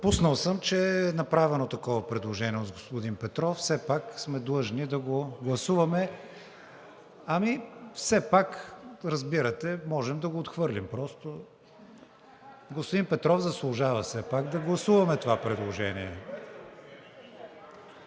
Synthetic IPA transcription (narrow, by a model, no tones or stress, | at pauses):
pusnəlˠsəmt͡ʃɛnɐpɾavɛnot̪ɐkɔvɐpɾɛd̪lˠoʒɛniozɡospod̪inpɛt̪ɾɔfsɛpaksmɛd̪lˠɤʒnid̪ɐɡoɡlˠɐsuvɐmɛ | ɐmifsɛpakɾɐzbiɾɐt̪ɛmɔʒɛmd̪ɐɡoːt̪xvɤɾlʲimpɾɔst̪o | ɡospʊd̪inpɛt̪ɾɔfzɐslˠʊʒavəfsɛpaɡd̪ɐɡlˠɐsuvɐmɛt̪ovapɾɛd̪lˠoʒɛniɛ